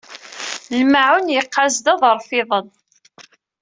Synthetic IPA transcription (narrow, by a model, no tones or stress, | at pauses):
lmaʕunjəqːazd̪æðˤəɾˤfɪðˤən